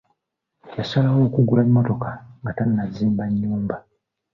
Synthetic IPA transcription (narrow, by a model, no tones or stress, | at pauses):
jasalawo̞ːkuɡulaɲːo̞to̞kaŋɡatanːaziːmbaɲːuːmba